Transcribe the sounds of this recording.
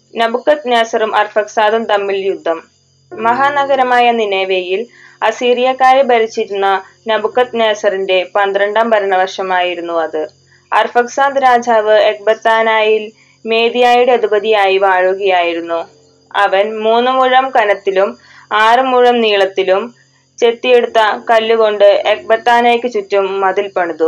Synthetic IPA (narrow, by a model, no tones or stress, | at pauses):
nɐbukːɐt̪neːsɐrumʔɐrfɐksaːd̪umt̪ɐmːiljud̪ʱːɐmː | ɐɦaːnɐɡɐɾɐmaːjɐnineːʋejilɐsiːrijɐkːaːɾebɐɾit͡ɕːiɾunːɐ | nɐbukːɐt̪neːsɐrinde̞pɐnd̪rɐɳɖaːmbɐɾɐɳɐʋɐrʂɐmaːjiɾunːuɐðɨ | ɐ̰rfɐksaːnd̪ɾaːd͡ʑʱaːʋɨek̚bɐt̪ːaːnaːjil | me̞ːðijaːjuɽeɐd̪ibɐðijaːjiʋaːɻuɡɐjaːjiɾunːu | ɐ̰ʋɐnmuːnːɨmuɻɐmkɐnɐt̪ːilum | aːrɨmuɻɐmniːɭɐt̪ːilum | t͡ɕe̞t̪ːije̞ɽut̪ːɐkɐlːuɣo̞ɳɖɨe̞k̚bɐt̪ːaːnaːjkːɨt͡ɕutːumːɐðilpɐɳuðu